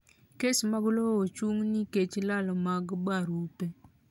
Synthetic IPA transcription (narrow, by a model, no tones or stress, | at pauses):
kesmaɡloot͡ʃuŋniket͡ʃlalɔmaɡbaɾupe